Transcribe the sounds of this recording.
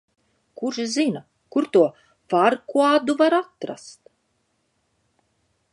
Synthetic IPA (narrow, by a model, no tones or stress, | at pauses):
kuʒzina | kuɾt̪uɔ | faɾkuad̪uvaɾat̪ɾa̰st̪